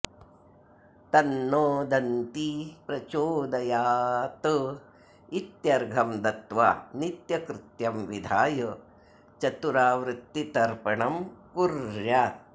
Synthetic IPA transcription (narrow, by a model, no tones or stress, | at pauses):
t̪ɐnːoːd̪ɐnt̪ipɾɐt͡ʃoːd̪ɐjaːt̪ɨ | it̪jɐɾɡʱɐmd̪ɐt̪ʋa̰ːnit̪jɐkɾɪt̪jɐmʋid̪ʱaːjɐ | t͡ʃɐt̪uɾaːʋɾɪt̪ːit̪ɐɾpɐɳɐmkuɾja